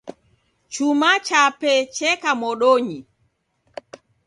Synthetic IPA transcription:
t͡ʃumat͡ʃapɛt͡ʃɛkamɔɗoɲi

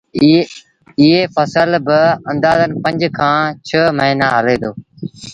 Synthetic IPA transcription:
ɪɦeːfəsəlbɪɐ̃nd̪aːzənɪ̆pə̃ɲd͡ʒkʰãːt͡ʃʰəːməɦiːnaɦəleːd̪oː

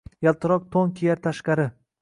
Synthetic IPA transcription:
jalˠt̪ʰɨɾɒq̚t̪ʰoŋkʲʰejaɾt̪ʰaʃqɑɾɪ

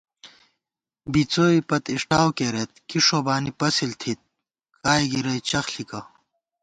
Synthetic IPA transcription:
bit͡soːipɐt̪iʂʈaːwkeːɾet̪̚kiʂoːbaːnipɐsilt̪ʰit̪̚ | kaːjɡiɾɐjt͡ɕɐxɬikɐ

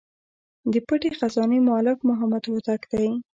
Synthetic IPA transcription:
d̪əpəʈexazɑnemɑlɪfmʊɦamad̪wat̪akd̪aj

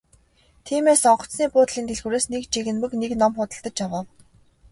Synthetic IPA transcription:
t̪ʰiːmeːsɔɴɢɞ̆t͡sniːpʊːt̪ɮiːnt̪eɮɣuːɾeːsnekt͡ɕiɣɘ̆nmɘ̆kneknɔmχʊt̪ə̆ɬt̪ə̆t͡ɕjawə̆ːw

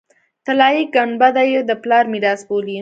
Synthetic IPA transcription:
t̪alɑjiɡaɳbad̪ajed̪əplɑɾmiɾɑsboli

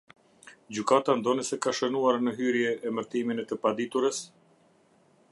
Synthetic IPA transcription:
d͡ʑykat̪and̪ɔnisɛkaʃənuaɾnəɦyɾjɛɛməɾt̪iminɛt̪əpad̪it̪uɾəs

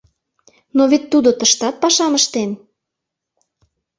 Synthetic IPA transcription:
noβet̪ːud̪ot̪əʃt̪ɑt̪̚pɑʃɑməʃt̪en

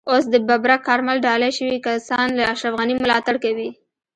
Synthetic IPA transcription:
osd̪əbabɾakɑɾmalɖɑlajʃəwikasɑnlaːʃɾafɣanimʊlɑt̪aɽkawi

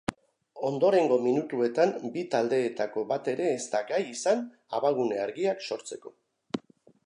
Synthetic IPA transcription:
o̞nd̪o̞ɾe̞ŋɡo̞minut̪ue̞t̪ambit̪ald̪e̞ːt̪ako̞βat̪e̞ɾe̞ːst̪aɡajisan | aβaɣ̞une̞aɾɣiakso̞ɾt͡se̞ko̞

